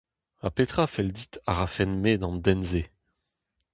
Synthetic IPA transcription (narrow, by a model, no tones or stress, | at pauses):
a̰pet̪χafɛld̪it̪aʁafɛnmed̪ɑ̃ndɛnze